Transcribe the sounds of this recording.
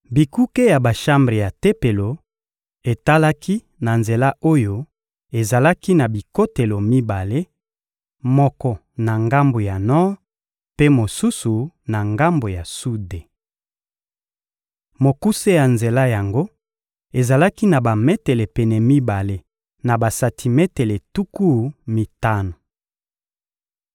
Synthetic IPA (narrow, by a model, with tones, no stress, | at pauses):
bi˨ku˦ke˦ja˨ba˨ʃa˦mbʁe˨ja˨te˦pe˨lo˨ | e˨ta˦la˦ki˦ | na˨nze˨la˦o˦jo˦ | e˨za˨la˦ki˦na˨bi˨ko˦te˨lo˨mi˦ba˨le˦ | mɔ˦kɔ˦ | na˨ŋɡa˦mbo˨ja˨nɔ˦ | pe˦mo˨su˦su˨na˨ŋɡa˦mbo˨ja˨su˦de˨ | mo˨ku˦se˦ja˨nze˨la˦ja˨ŋɡo˦ | e˨za˨la˦ki˦na˨ba˨me˦te˨le˨pɛ˨nɛ˨mi˦ba˨le˦ | na˨ba˨sa˨tʰi˨me˦te˨le˨tu˦ku˦mi˨ta˦no˨